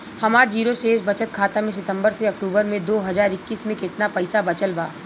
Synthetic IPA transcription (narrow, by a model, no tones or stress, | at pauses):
hɐmaːɾd͡ʒiːɾoʃeːʃbɐt͡ʃət̪̚kʰaːt̪amẽs̬ɪt̪ə̃mbəɾseɐk̚ʈuːbəɾmẽd̪oːɦɐzaːɾɪkːiːsmẽkɪt̪napɐɪsabɐt͡ʃəlbaː